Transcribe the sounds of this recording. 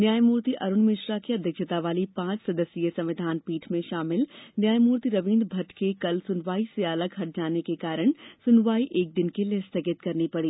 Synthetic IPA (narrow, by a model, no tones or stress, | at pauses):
njaːjmuːɾt̪iʔɐɾʊnmɪʃɾakeɐd̪ʱjɐkʃət̪aʋaːlipãːt͡ʃsɐd̪əsiesɐ̃mʋɪd̪ʱaːnpiːʈʰmẽʃaːmɪlnjaːjmuːɾt̪iɾɐʋĩːnd̪bʱɐʈʰkekɐlsʊnʋaːiseɐləɡɦɐʈ̚ʰd͡ʒaːnekekaːɾəɽ̃sʊnʋaːiʔeːk̚d̪ɪnkelest̪ʰəɡɪt̪kɐɾnipɐɽiː